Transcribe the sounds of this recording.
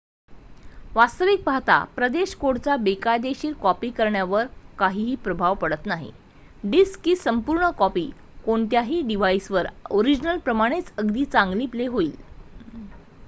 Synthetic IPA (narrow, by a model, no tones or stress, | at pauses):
ʋast̪əʋik̚paɦt̪a̰pɾəd̪eɕkoɽt͡sabekajd̪eɕiːɾkɔpiːkəɾɳjaʋəɾkaɦiːɦiːpɾəbʱaʋpəɽət̪naɦḭ | ɖiskːiːsəmpuɾɳəkɔpiː | koɳt̪jaɦiːɖiʋaisʋəɾoɾid͡ʑnəlpɾəmaɽ̃et͡səɡd̪iːt͡sãŋɡliːpleɦoiːl